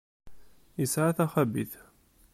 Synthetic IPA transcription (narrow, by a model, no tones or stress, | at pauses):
əsʕaθæχæbḭθ